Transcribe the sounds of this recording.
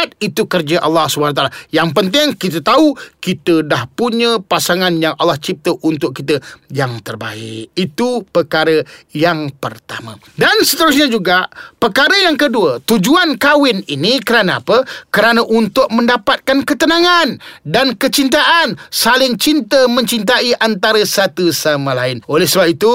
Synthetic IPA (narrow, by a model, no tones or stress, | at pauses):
t̪̚it̪ukərd͡ʒəʔalːahsubəanat̪alajaŋp̬ənt̪ɪŋkit̪ət̪aukit̪ədahpuɲə̃pasaŋanjaŋʔa̰lːaht͡ʃip̚t̪əʔunt̪ʊʔ̚kit̪əjaŋt̪ərba̰ɪ̰ʔit̪upəkaɾəjaŋpərt̪a̰mə̰̃ | dansət̪əɾʊs̬ɲəd͡ʒuɡapərkaɾəjaŋkəduət̪ud͡ʒuankawɪninikəɾanaapəkəɾanəʔunt̪ʊk̚mə̃ndapat̪̚kankət̪ənaŋandankət͡ʃint̪̬aʔansalɪŋt͡ʃint̪əmə̃ɲt͡ʃint̪aiʔant̪aɾəsat̪usamalaɪnolɛhsəbap̚it̪u